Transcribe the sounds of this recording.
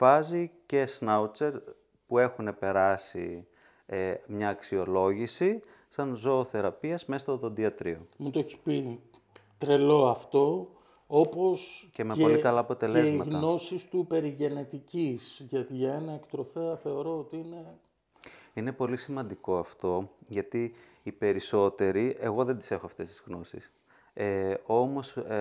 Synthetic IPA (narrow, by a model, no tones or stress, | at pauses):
vɐzice̞snaut͡se̞ɾ | pue̞xune̞pe̞ɾɐsḭ | mɲɐːksio̞lo̞ʝisi | sɐnzo̞ːθe̞ɾɐpiɐzme̞st̪oðo̞nd̪iɐt̪ɾio̞mut̪oeçi̥pi | t̪ɾe̞lo̞ɐft̪o̞ | oposce̞meeo̞likɐlɐːpo̞t̪e̞leezmɐtɣnno̞sist̪upe̞ɾiʝe̞ne̞t̪icisʝɐt̪iʝɐe̞nɐekt̪ɾo̞feɐθe̞o̞ɾo̞ot̪iine̞ | ine̞po̞lisimɐnd̪iko̞ɐft̪o̞ʝɐt̪iː | pe̞ɾiso̞t̪e̞ɾiʔe̞ɣo̞ðe̞nd̪ise̞xoɐft̪e̞st̪i̥zɣno̞sḭs | eo̞mo̞s